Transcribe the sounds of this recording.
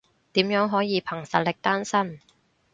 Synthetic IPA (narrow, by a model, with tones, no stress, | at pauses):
t̪iː˨˥mjœː˨˥ŋɦɔː˨˥jiː˨˧pʰɐ˨˩ŋsɐ˨t̚lɪ˨k̚t̪aː˥nsɐ˥m